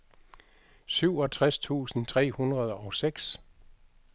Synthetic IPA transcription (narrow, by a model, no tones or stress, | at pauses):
syʊ̰ɒ̽t͡sʰʁast͡sʰṵːsn̩t͡sʰʁɛ̰ːhunʁɐð̞ˠɒ̽seɡ̥s